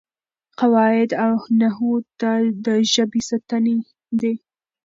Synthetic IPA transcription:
qawɑɪd̪awnaɦut̪ad̪əʒəbisat̪ane | d̪e

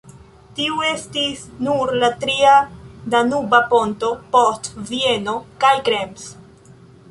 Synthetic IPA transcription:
tiue̞stisnuɾlatɾiadanubapo̞nto̞postvieno̞kajkɾems

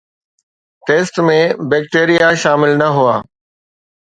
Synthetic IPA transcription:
ʈeːsʈmẽbɛːkʈeːɾijaʃaːmɪlnɐɦuaː

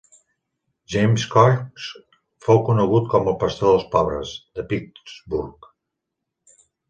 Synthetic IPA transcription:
ʒejmskɔrps | fowkunəɣut̪kɔməlˠpəst̪oðəlˠspɔβɾə̰zd̪əpikzbuɾk

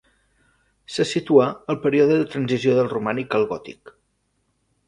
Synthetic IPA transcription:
sasit̪uaəlˠpəɾioðəðət̪ɾənzizioðəlˠrumanikəlˠɣɔt̪ḭk

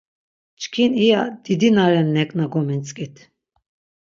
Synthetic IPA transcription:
t͡ʃkʰiniad̪̥id̪inaɾɛnːɛkʼnaɡɔmint͡sʼkʼit̪ʰ

